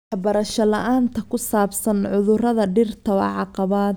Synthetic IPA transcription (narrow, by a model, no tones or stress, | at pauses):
wɑħbɐɾɐʃɐlɐʔaːnt̪ʰɐkʰʊsaːbsɐnʕʊðʊrɐðɐɖɪrt̪ʰɐwɑ̰ʕɑqɑβaːd̪